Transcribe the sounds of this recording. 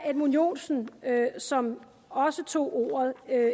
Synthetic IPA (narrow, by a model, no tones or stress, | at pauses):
æd̥munjo̝̰ːnsn̩øsɒ̽m | ɒ̽sət͡sʰo̝̰ːʔo̝̰ːɐðˠø